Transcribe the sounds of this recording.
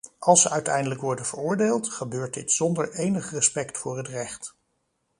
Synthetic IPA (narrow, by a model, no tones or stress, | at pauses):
ʔɑlˠsəʔœɥtɛ̰jndələkʋɔɹdənvəɹʊːɹdeːlˠtχəbøːɹt̚dɪtsɔndəɹejnəχrəspɛktfʊːɹɦətrɛχt